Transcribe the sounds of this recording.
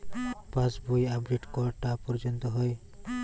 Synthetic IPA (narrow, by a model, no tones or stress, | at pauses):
pãsbojabɖeʈkɔɾʈapɔɾd͡ʒɔnt̪ɔɦɔj